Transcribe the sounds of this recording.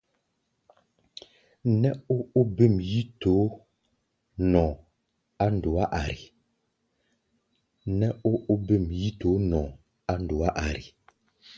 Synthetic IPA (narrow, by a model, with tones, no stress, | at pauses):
nɛ˦o˦o˦be˦˨mji˦to˨˦ | nɔ̃˨ | a˦n˨do˨a˦ʔa˨ɾi˨ | nɛ˦o˦ʔo˦be˦˨mji˦to˨˦nɔ̃ː˨ | a˦n˨do˨a˦ʔa˨ɾi˨